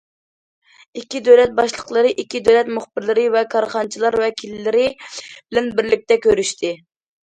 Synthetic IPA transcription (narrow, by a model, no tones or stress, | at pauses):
ikʲːid̪øwlɛt̪̚bɑʃlˠəqlˠəɾɨʔikʲːid̪øwlɛt̪muχbɪɾlɪɾɪvɛkʰɑɾχɑnt͡ʃʰilˠɑɾwɛkʲʰilːɪɾɪb̥ɪlɛnbɪɾlɪk̚ʲt̪ɛkʲʰøɾyʃt̪ʰɪ